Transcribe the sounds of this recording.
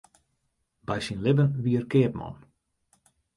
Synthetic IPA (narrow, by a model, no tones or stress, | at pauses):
bɛjsinlɪbənʋiərkɪːpmɔ̰n